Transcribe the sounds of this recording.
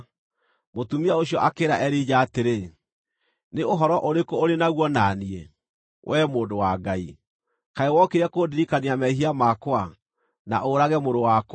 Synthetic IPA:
motumiaoɕijɔʔakeːɾaʔɛɾid͡ʑaːteɾe | neoɦɔɾɔʔoɾekoːɾenaɣwɔnaːniɛ | wʔɛːmoːndowaɡai | kaewɔkeɾɛkodiɾikaniamɛɦiamakwa | na̰ʔoɾaɣɛmoɾowak

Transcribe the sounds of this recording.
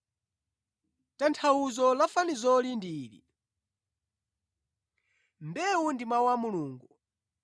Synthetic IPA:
tantʰawuzɔlafanizɔlindiːɾḭ | mbɛundimwawamuluːŋɡu

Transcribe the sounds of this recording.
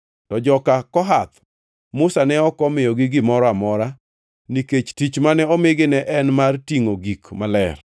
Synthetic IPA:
tɔd͡ʒɔkakɔɦat̪̚ | mʊsanɛɔkɔmɪjɔɡɪɡɪmɔɾɔamɔɾa | niket͡ʃtit͡ʃmanɛɔmɪɡɪnɛʔɛnmartiŋoɡikmalɛ̰r

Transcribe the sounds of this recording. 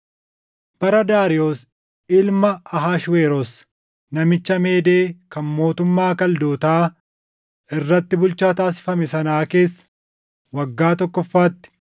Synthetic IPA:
b̥ɐɾɐd̪aːɾɪo̞ːs | ɪlmɐɐɦaːʃweːɾɔs | nɐmɪt͡ʃːɐmeːd̪e̞ːkɐnmo̞ːt̪ʊmːaːkɐld̪oːt̪aː | ɪrːɐt̪ːɪbʊlt͡ʃaːt̪aːsɪ̥fɐmɛsɐnaːke̞ːsːɐ̥ | wɐɡːaːt̪ɔkːɔfːaːt̪ːɪ̥

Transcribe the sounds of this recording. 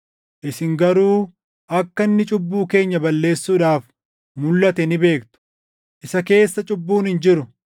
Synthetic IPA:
ʔɪsɪŋɡɐɾuː | ʔɐkːɐnːɪt͡ʃʼʊbːuːke̞ːɲːɐbɐlːe̞ːsːuːᶑaːf | mʊlːɐt̪ɛnɪbe̞ːkt̪ʊ̥ | ʔɪsɐke̞ːsːɐt͡ʃʼʊbːuːnhɪnd͡ʒɪɾʊ

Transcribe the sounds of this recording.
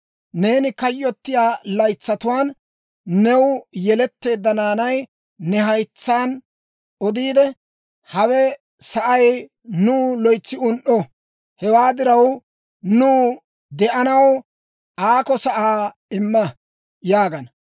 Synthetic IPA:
ne̞ːnɪkɐjːɔt̪ːɪjaːlɐjt͡sːɐt̪ʊwaːn | nɛwjɛlɛt̪ːe̞ːd̪ːɐnaːnɐj | nɛɦɐjt͡sːaːn | ʔɔd̪iːd̪ɛ | hɐwɛ | sɐʔɐj | nuːlɔjt͡sːɪʊnʔɔ | hɛwaːd̪ɪɾɐw | nuː | d̪ɛʔɐnɐw | aːkɔsɐʔaː | ɪmːɐ | jaːɡɐnɐ

